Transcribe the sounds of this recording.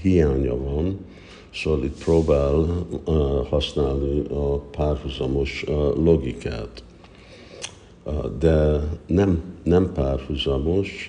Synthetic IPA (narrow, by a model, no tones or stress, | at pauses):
hijaːɲɒ̰vɒn | solit̪proːbaːl | hɒsnaːlniɒpaːrhuzɒmo̞ʃlo̞ɡikʰa̰ːt̪ | d̪ɛnɛmnɛmpaːrhuzɒmo̞ʃ